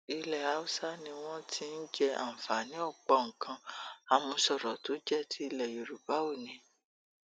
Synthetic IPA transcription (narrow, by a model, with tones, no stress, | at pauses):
i˧lɛ˨a˨˦u˦sa˦nĩ˧w̃ɔ̃˦tʰi˦n̩˦d͡ʒɛ˧a̰˨m̩˨fa˨nĩ˨˦ɔ˦˨k͡pɔ˧˨ŋ̩˨kã˧a˧mũ˧sɔ˨ɾɔ˨to˨˦d͡ʒɛ˦˨tʰi˦i˧lɛ˨jo˨ɾu˨ba˨˦o˦˨nĩ˨˧